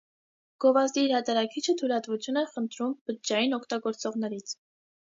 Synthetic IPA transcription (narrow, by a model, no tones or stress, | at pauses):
ɡ̥ɔvɑzd̪iiɾhɑt̪ɑɾɑkʰit͡ʃʰət̪ʰulɑt̪vut͡sʰjunɛχənt̪ʰɾumbət̪̚d͡ʒɑjinɔkʰt̪ɑɡɔɾt͡sɔʁn̪ɛɾit͡sʰ